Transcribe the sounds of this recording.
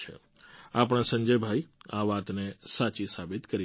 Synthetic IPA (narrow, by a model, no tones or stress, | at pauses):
ḛ | ap̬əɽ̃ãsə̃ɲd͡ʒəjbʱaiaʋat̪nesat͡ʃisabit̪kəɾi